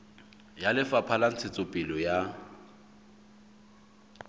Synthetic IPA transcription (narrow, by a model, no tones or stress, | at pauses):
jalɪfapʰalan̩t͡sʰɪt͡sʼʊpʼɪlɔja